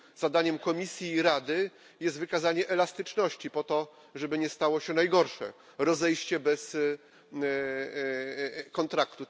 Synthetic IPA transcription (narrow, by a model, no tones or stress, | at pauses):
z̥ad̪aɲɛmkɔmʲisʲjiːɾad̪ɘ | jɛst̪vɘkazaɲɛʔɛlast̪ɘt͡ʂnɔɕt͡ɕipɔt̪ɔ | ʐɛbɘɲɛst̪awɔɕɛnajɡɔɾʂɛ̰ | ɾɔzɛjɕt͡ɕɛbɛs | kɔnt̪ɾakt̪u